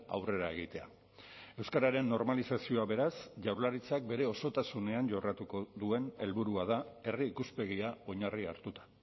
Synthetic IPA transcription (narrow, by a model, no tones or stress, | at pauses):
a̰wre̞ɾae̞ɣ̞it̪e̞a̰ | e̞wskaɾaɾe̞nːo̞ɾmalisasio̞aβe̞ɾasʝawɾlaɾit͡sak̚be̞ɾe̞o̞so̞t̪asune̞anʝo̞rat̪ukoðue̞ne̞lβuɾuað̞ae̞riːkuspe̞ɣiao̞ɲaria̰ɾt̪ut̪ḁ